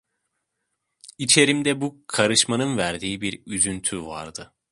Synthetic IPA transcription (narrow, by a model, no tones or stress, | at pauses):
it͡ʃʰe̞ɾimd̪ɛbukʰaɾɯʃmanɯnvæɾd̪iːibiɾyzynt̪ʰyva̰ɾd̪ɯ